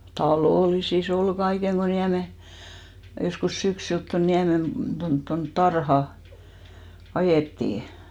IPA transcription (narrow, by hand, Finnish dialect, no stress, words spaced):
tɑloˑlisis ol ɡ̊ɑiheŋ ɡ̊o niæme joskus syksylt ton niæmen tont tont tɑrhɑ ɑjeˑtːiˑ